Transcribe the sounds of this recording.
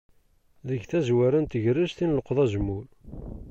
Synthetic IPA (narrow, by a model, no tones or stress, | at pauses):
ðəʝθæzwæɾænt̪əʝɾəʃθinləqðˤæʒəmːuɾ